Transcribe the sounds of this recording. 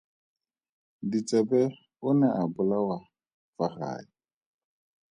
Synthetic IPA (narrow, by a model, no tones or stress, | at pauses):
dit͡sʼɛbɛ | ʊnɛʔabʊlawa | faχa̰ːi